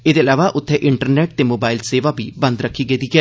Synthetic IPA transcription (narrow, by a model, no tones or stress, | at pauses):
eːd̪eːəlaːʋaːʔʊt̪ʰːeːʔɪɳʈəɾneːʈ̚t̪eːmoːbaːɪlseːʋaːbʱiːbə̃nd̪ɾəkʰːiːɡəid̪iːɡɛː